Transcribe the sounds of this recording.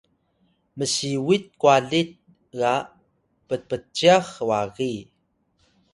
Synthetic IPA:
məsiwit̪̚kuaɮit̚ | ɣa | pəpət͡ʃːiaxwaɣi

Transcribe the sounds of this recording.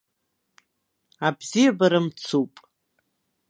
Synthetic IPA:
abzijabaɾamt͡sʰupʼ

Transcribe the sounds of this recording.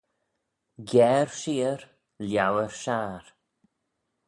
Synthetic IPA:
ɡɛːɹʃiːəɾ | ljawəɹʃaːɾ

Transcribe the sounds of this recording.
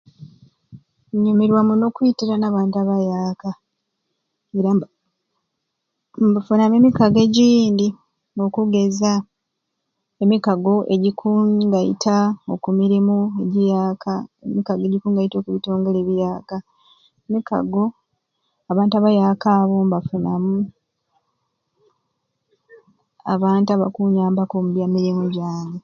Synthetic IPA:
ɲumiɾwamuno̞kwuitiɾanaːβaːntaβajaːka | e̞ɾa | mbufunamemikaɡe̞ɟiːndi | ŋokuɡe̞za | emikaɡo̞ʔe̞ɟikʰuŋɡajḭtʰao̞̰kumiɾimoe̞ɟijaːkʰaemikaɡe̞ɟikuːŋɡajito̞ːkuβito̞ːŋɡe̞le̞βijaːka | emika̰ɡo̞ | aβaːntuaβajaːkaːβo̞mbafunamu | a̰βaːntaβa̰kuɲaːmbakomuβjamiɾimuɟaːni

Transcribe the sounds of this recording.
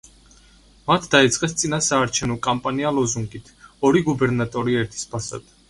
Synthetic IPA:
mat̪ʰd̪̥ait̪sʼqʼɛst̪sʼinasaːɾt͡ʃʰɛvnɔkʼampʼanialɔzuŋɡʼit̪ʰɔɾiɡubɛɾnat̪ʼɔɾiɛɾt̪ʰi̥spʰasa̰d̪̥

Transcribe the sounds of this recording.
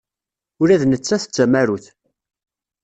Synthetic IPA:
ʊɾæðnət͡sːæθə̥t͡sːæmæɾuθ

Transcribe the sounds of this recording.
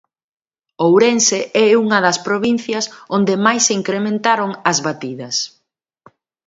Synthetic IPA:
owɾenseʔɛuŋɐðɐspɾoβin̟θjɐsond̪ɪmajseiŋkɾemẽnt̪aɾoŋɐzβat̪iðɐs

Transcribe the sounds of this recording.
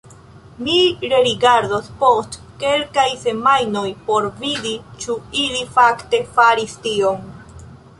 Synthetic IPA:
miɾe̞ɾiɡaɾd̪ospo̞st | ke̞lkajse̞majnojpo̞ɾvid̪it͡ʃuilifakte̞faɾistiom

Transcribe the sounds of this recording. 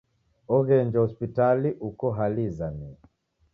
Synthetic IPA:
ɔɣɛɲd͡ʒahɔspitaliʔukɔɦalizani

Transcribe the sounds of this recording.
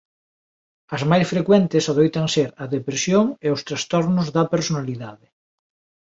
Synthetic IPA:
ɐzmajsfɾekwɛnt̪ɪsaðojt̪aŋseɾɐðepɾesjoŋeʊst̪ɾast̪ɔɾnʊzðɐpeɾsonaliðaðɪ

